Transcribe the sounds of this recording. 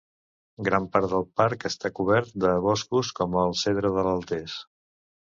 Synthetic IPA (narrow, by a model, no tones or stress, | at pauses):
ɡɾampaɾt̪d̪əlˠpaɾkəst̪akuβ̞ɛɾt̪̚d̪əβɔskuskɔməːlˠseðɾəðələlˠt̪es